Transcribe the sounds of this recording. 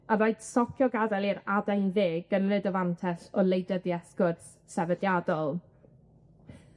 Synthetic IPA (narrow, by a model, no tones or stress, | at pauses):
avojd̥sɔkʰjɔɡadɛlˠiɾadɛnveːɡ̥ənlɨdɔvantʰɛɬɔlˠejdəðiɛskʊrθ | sɛvədjadɔlˠ